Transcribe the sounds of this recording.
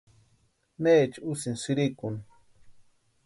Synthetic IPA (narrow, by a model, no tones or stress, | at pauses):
neːt͡ʃusinsiɾikun